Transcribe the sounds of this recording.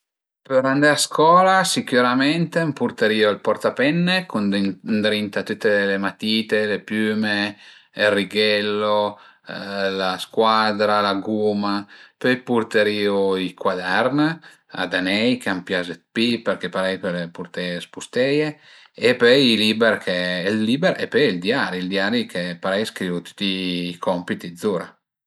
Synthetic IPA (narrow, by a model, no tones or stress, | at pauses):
peɾand̪aaskɔːlasikuɾamɛnt̪empuɾt̪eɾiːolpɔrt̪apɛnːekunnd̪ɾint̪at̪ut̪ːelemat̪iːt̪elepjyːmeelriɡɛlːo | laskwad̪ɾalaɡuːmapøjpuɾt̪eɾiːuikwad̪ɛɾna | a̰d̪anɛjkampjazet̪̚pipeɾkepaɾɛjpelepuɾt̪ɛespust̪ɛje | epøjilibɛɾkʰeɛlːibɛɾɛ̰pøjild̪jaɾild̪jaːɾikʰepaɾɛjskɾiːvut̪u̥t̪ːiːkɔmpit̪id̪zuɾa